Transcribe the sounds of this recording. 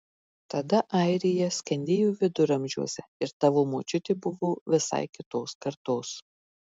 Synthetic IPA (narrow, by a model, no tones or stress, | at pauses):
t̪ɐd̪ɐʔɐɪɾʲɪjɛsʲkʲɛnʲd̪ʲeːjuːʋʲɪd̪ʊɾɐmʲʒʲṵɔsʲɛɪɾt̪ɐʋoːmoːt͡ʃʲʊt̪ʲɪbʊʋoːʋʲɪsɐ̰ɪkʲɪt̪oːskɐɾt̪oːs